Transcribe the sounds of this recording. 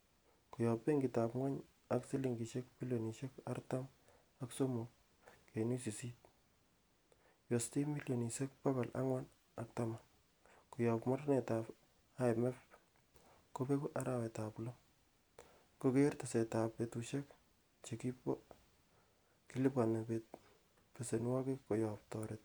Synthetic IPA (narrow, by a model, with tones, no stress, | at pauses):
kujɔ˨pe˦ŋɡita˨pŋwa˦ɲ | aksi˦liŋɡi˨ʃe˦k̚mi˦ljo˨ni˨ʃeka̰rtam | akso˦muk̚ | ke˨ni˦si˨si˦t̚ | jo˨sti˦mi˦ljo˨ni˨se˦k̚paka˨lʔa̰˦ŋwa˦n | ak̚tama | ku˨jɔ˨pmɔ˦ɾne˨ta˨p | a˦jmɛp | kope˦kuʔa˦ɾa˨wɛtaplo | kokertase˨ta˨petuʃe˦k | t͡ʃeki˦p | ki˦lɪ˦pa˨na˨pet̚ | pesenwa˦kekojɔp̚tɔɾɪt̚